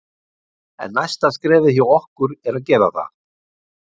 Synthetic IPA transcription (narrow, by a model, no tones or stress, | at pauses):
ɛ̰nːajst̪aðskɾɛːvɪθjawɔhkʏɾɛɾaðcɛːɾa̰θa̰ð